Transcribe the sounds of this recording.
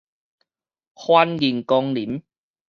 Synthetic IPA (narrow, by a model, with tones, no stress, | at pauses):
xwaː˧nji˨˩nkɔ˧ŋli˨˦m